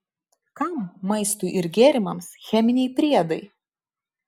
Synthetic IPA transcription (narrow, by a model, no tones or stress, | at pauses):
kɐˑmːɐɪst̪uːʔɪɾɡʲeːɾʲɪmɐmsxʲɛmʲɪnʲɛɪpʲɾʲiɛd̪ɐɪ